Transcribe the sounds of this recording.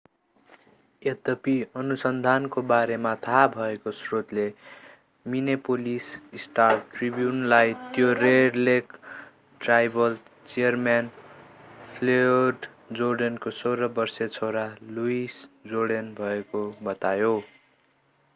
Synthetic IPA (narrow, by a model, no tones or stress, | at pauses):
jed̪ʌpiʌnusʌnd̪ʱankobaɾemat̪ʰabʱʌekosrot̪le | minepolisisʈarʈribjunlajt̪joreɖlek | ʈrajbʌl | t͡sijʌrmjan | pʰleɖ | d͡zorɖʌnkosoɾʌbʌrsʌt͡sʰoɾaluisd͡zoɽʌnbʱʌekobʌt̪ajo